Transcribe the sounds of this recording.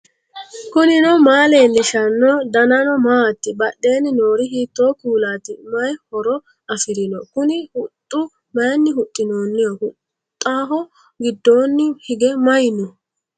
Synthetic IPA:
kʊnɪnɔmaːle̞ːnːɪʃɐnːɔd̪ɐnɐnɔmaːt̪ːɪbɐɗːe̞ːnɪno̞ːɾɪɦiːt̪ːoːkuːlaːt̪ɪmɐjhɔɾɔ | ɐfɪɾɪnɔkʊnɪhʊt̪ʼːʊ | mɐjnːɪhʊt̪ʼːɪnoːnːɛjɔhʊ | t̪ʼːaːɦɔ | ɡɪd̪ːo̞ːnːɪhɪɡɛmɐjɪnɔ

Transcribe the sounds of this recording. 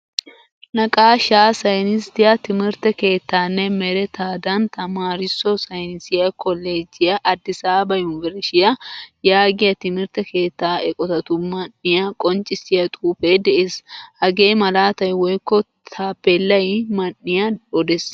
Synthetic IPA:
lɐkʼaːʃaːsɐjnɪst̪ɪjɐt̪ɪmɪɾt̪ɛke̞ːt̪ːaːnːɛmɛɾɛt̪ʰaːd̪ɐnt̪ʰɐmaːɾɪsːɔsɐjnɪsɪjɐkʰɔlːeːd͡ʒːɪjɐʔɐd̪ːɪsaːbɐjʊnvɛɾʃɪjɐjaːɡɪjɐt̪ɪmɪɾt̪ɛke̞ːt̪ːaːɛkʼɔt̪ɐt̪ʊmɐnːɪjakʼɔnt͡ʃʼɪsɪjɐt̪ʼuːfeːd̪ɛʔeːshɐɡe̞ːmɐlaːt̪ɐjwɔjkːɔ | t̪ʰaːpːɛlːɐjmɐnːɪjɐɔd̪ɛs

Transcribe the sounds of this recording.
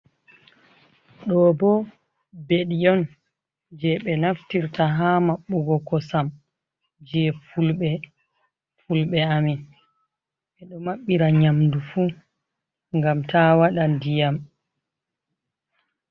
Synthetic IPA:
ɗɔbɔ | beɗijɔn | d͡ʒɛɓɛnaftiɾtaɦaːmaɓːuɡɔkɔsam | d͡ʒɛfulɓɛ | fulɓɛamin | ɓɛɗɔmaɓːiɾaɲamdufu | ŋɡamtʰaːwaɗandijam

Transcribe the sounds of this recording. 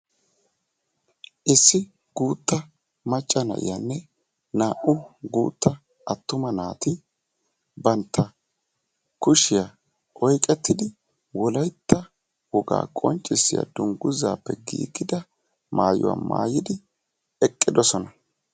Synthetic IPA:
ʔɪsːɪ | ɡ̥uːt̪ːɐ | mɐt͡ʃʼːɐnɐ̰ʔɪ̰janːɛ | naːʔʊɡuːt̪ːɐ | ɐt̪ːʊmɐnaːt̪ɪ | bɐnt̪ːɐ | kʊʃɪja | ɔjkʼɛt̪ːɪd̪ɪ | wɔlɐjt̪ːɐ | wɔɡa̰ːkʼɔnt͡ʃʼːɪsːɪja̰d̪ʊŋɡʊza̰ːpːɛɡḭːɡɪd̪ɐ | maːjʊ̰wa̰ma̰ːjɪd̪ɪ | ɛkʼːɪd̪ɔsɔnɐ

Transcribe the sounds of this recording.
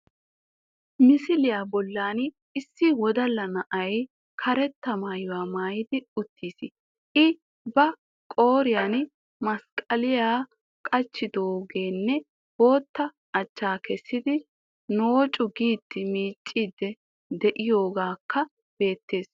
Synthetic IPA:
mɪsɪlɪjaːbɔlːaːn | ɪsːɪwɔd̪ɐlːɐnɐʔɐj | kʰɐɾɛt̪ːɐmaːjʊwaːmaːjɪd̪ɪʊt̪ːiːsɪ | ʔɪ | bɐ | kʼo̞ːɾɪjaːn | mɐskʼɐlɪjaː | kʼɐt͡ʃːɪd̪oːɡe̞ːnːɛ | bo̞ːt̪ːɐː | t͡ʃːaːkɛsːɪd̪ɪ | noːt͡ʃʼʊɡiːt̪ːɪmiːt͡ʃʼːiːd̪ːɛ | d̪ɛʔɪjo̞ːɡaːkːɐ | b̥e̞ːt̪ːe̞ːs

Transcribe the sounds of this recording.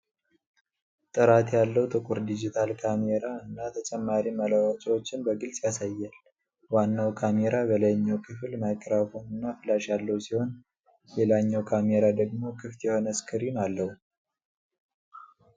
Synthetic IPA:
t̪ʼɨɾat̪jalːəwt̪ʼɨkʼuɾd̪id͡ʒit̪ʰalkʰameɾaɨnːat̪ʰət͡ʃʼɛmːaɾiməlawɔt͡ʃʼwot͡ʃːɪnbəɡɨlsʼjasajːal | wanːawkʰame̞ɾabələɲːəwkʰɨflmakʼːɾafonɨnːafɨlaʃjalːəwsiho̞n | lelaɲːawkʰameɾad̪əɡmo̞kʰɨft̪jɛho̞nəskʰɨɾinalːəhu

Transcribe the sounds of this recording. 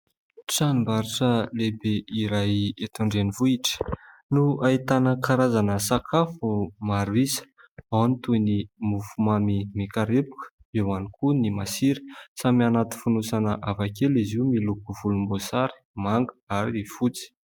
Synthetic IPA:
ʈ͡ʂanmbaɾiʈ͡ʂəlebeiɾajet̪uɳɖ͡ʐenivuiʈ͡ʂə̥ | nuait̪anəkaɾazanəsakʰafumaɾuisə̥ | awnt̪unimufumamimikaɾepu̥kə̥ | ewanikunimasiɾi̥samianat̪i̥funusanəʔavakeliziumilukuvulumbosaɾi̥ | maŋɡəaɾiifut͡si̥

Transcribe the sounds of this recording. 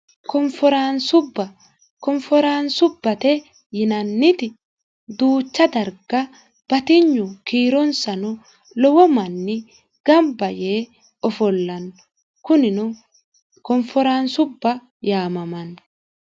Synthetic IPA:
kɔɱfɔɾansʊbːɐ | kɔɱfɔɾaːnsʊbːɐt̪ɛ | jɪnɐnːɪt̪ɪ | d̪uːt͡ʃːɐd̪ɐɾɡɐ | b̥ɐt̪ɪɲːʊkiːɾɔnsɐnʊ | lɔwɔmɐnːɪ | ɡ̥ɐmbɐjeː | ɔfɔlːɐnː | kʊnɪnʊ | kɔnfɔɾaːnsʊbːɐ | jaːmɐmɐn

